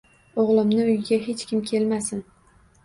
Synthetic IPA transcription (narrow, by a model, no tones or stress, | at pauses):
oʁlˠɪmnɪʊjɪɡʲaɦet͡ʃkʲɪmkʲʰe̞lmasɪn